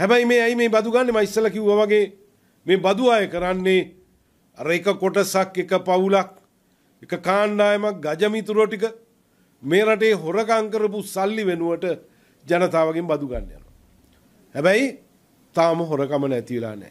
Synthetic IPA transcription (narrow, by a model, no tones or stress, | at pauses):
hɛbɛjmeːɛjmeːbad̪uɡanːemaisəlakiʋuʋaʋaɡeː | meːbad̪uaːjəkəɾanːe | aɾəekəkoʈəsakekəpaulak̚ | ekəkaːnd̪aːjəmak̚ɡad͡ʒəmit̪uɾoʈik̬ə | meːɾaʈ̬eːɦoɾəkaŋkəɾəp̬usalːiʋenuʋəʈə | d͡ʒanət̪aːʋaɡembad̪uɡa̰nːḛja̰nṵ | hɛbɛj | t̪aːməɦoɾəkamənɛt̪iʋela̰nɛ̰ː